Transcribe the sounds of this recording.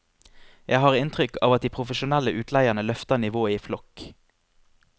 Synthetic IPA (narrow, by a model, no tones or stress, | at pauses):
jʔæɪɦɑːʁɪnt̪ʁʏkʰɑ̰ːʋɑt̪̚d̪iːpʰʁʊfəʃʊnæləʔʉːt̪ʰlæɪəʁnəlœft̪ənɪʋoːəiːflɔk